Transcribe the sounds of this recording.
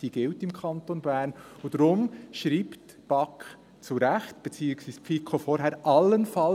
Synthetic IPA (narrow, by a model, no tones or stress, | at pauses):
d̥iːɡ̥ɪltɪmkʰɑntonbæːɾnudɾʊmʃɾiːpt | b̥ɑk | t͡suɾɛxtb̥ɛt͡siːəksʋiːspfikʰofɔɾɦɛɾʔɑlːənfɑ